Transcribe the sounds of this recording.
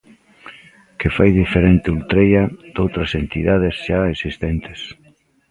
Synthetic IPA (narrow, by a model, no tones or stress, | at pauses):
kefajðifeɾent̪ɪult̪ɾejɐd̪̥owt̪ɾɐsent̪iðað̞esʃaesist̪ent̪ɪ̥s